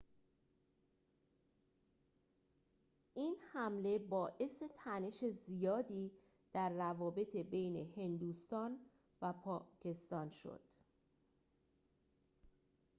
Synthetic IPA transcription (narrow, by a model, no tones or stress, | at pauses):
ʔiːnhæmle̞bɒːʔe̞se̞t̪ʰæne̞ʃe̞zijɒːd̪iː | d̪̥æɾːævɒːbe̞t̪ʰe̞bejne̞he̞nd̪uːst̪ɒːn | væpʰɒːcʰe̞st̪ɒːnʃo̰d̪̥